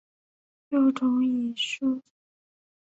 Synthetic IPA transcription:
lo˥˩ʊʈ͡ʂʰʊ˧˥ŋi˨˩ʂu˥˩

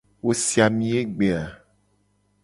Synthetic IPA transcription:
wo˦si˨a˨mĩ˦e˦ɡ͡be˨a˨

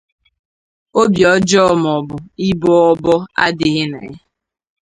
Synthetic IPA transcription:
o˦bjɔ˦d͡ʒɔ˦˨m˨ɔ˨bʊ˨i˦bɔ˦ɔ˦bɔ˦a̰˦dɪ˨ɣɪ˦nḛ˨˦

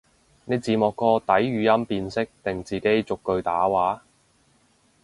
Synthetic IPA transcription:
ne˨˧jt͡siː˨mɔː˨kːɔː˧t̪ɐ˨˥jɥyː˨˧jɐ˥mpiː˧nsɪ˥k̚t̪ɪ˨˩ŋt͡siː˨ke˨˥jt͡sʊ˨kːɵ˧ɥt̪aː˨˥waː˨˥

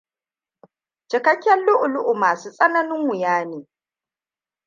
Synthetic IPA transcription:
t͡ʃɪ˨kɐ˦kʲːɐ˦lːʊ˦ʔʊ˨lʊ˦ʔʊ˨maː˨suː˦sʼɐ˦nɐ˦nɪ˦ŋwɪ˨jaː˦neː˨

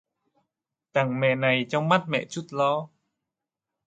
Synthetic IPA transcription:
t̪a˨˩ŋmɛ̰˧˨na˨˩jt͡ɕɔ˧˦wma˦˥t̪̚mɛ̰˧˨t͡ɕu˦˥t̪̚lɔː˧˦

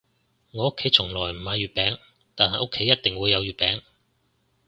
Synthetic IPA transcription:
ŋɔː˨˧ʊ˥kʰːe˨˥jt͡sʰʊ˨˩ŋlɔː˨˩jm̩˨˩haː˨˧jyː˨˩t̚pɛː˨˥ŋ | t̪aː˨nhaː˨ʔʊ˥kʰːe˨˥jːɐ˥t̚t̪ɪ˨ŋwuː˨˧jːɐ˨˧wjyː˨t̚pɛː˨˥ŋ

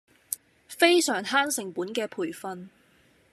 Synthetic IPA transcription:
fe˥jsœː˨˩ŋhaː˥nsɪ˨˩ŋpuː˨˥nkɛː˧pʰuː˨˩jfɐ˧n

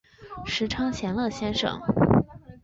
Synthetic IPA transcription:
ʂɻ̩˧˥ʈ͡ʂʰɑ˥ŋt͡ɕʰjɛ˧˥nlɤ˥˩ɕjɛ˥nʂɤ̰˨˩˦ŋ

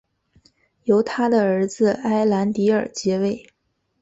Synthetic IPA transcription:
jo˧˥ʊt̪ʰa˥d̪ə˨ə˞˧˥d͡zɹ̩˧a˥ɪla˧˥nt̪i˧˥ə̰˞˨˩t͡ɕjɛ˧˥we˥˩ɪ

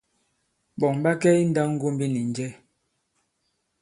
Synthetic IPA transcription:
ɓɔ˨ŋba˦kɛ˦i˦n̩˦da˦ŋ̩˦ɡo˦m˦bi˦ni˨n̩˦d͡ʒɛ˦

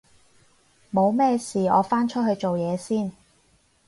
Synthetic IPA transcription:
mo˨˧wmɛː˥˧siː˨ɔ̰ː˨˧faː˥nt͡ʃʰɵ˥t̚hɵ˧ɥt͡ʃo˨wjɛː˨˧siː˥˩n

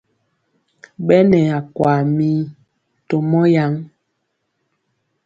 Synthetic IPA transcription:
ɓɛ˦nɛ˨a˨kwa˨mi˦ | to˨mɔ˦ja˨˦ŋ

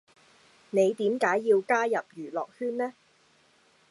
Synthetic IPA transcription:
ne˨˧jt̪iː˨˥mkaː˨˥jːiː˧wkaː˥jɐ˨p̚jyː˨˩lɔː˨k̚hyː˥nnɛː˥

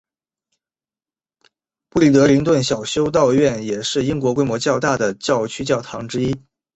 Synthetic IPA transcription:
pu˥˩li˥˩t̪ɤ˧˥li˧˥ŋt̪wə˥˩nɕjɑ˨˩ʊɕjo˥ʊt̪̬ɑ˥˧ʊɥɛ˥˩njɛ˨˩ʂɻ̩˥˩i˥ŋkwɔ˧˥kwe˥mwɔ˧˥t͡ɕjɑ˥˧ʊt̪a˥˩d̪ə˩t͡ɕjɑ˥˩ʊt͡ɕʰy˥t͡ɕjɑ˥˩ʊt̪ʰɑ˧˥ŋʈ͡ʂɻ̩˥i˥

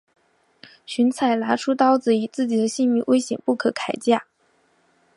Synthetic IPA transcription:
ɕy˧˥nt͡sʰa˨˩ɪla˧˥ʈ͡ʂʰu˥t̪ɑ˥ʊt͡sɹ̩˧˥i˨˩t͡sɹ̩˥˩t͡ɕi˨˩d̪ə˦ɕi˥˧nmi˥˩wʔe˥ɪɕjɛ̰˨˩npu˥˩kʰɤ˧˥kʰa˨˩ɪt͡ɕja˥˩

